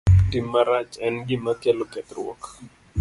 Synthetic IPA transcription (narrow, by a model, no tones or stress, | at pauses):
timːaɾat͡ʃɛnɡɪmakɛlokɛt̪rwɔ̰k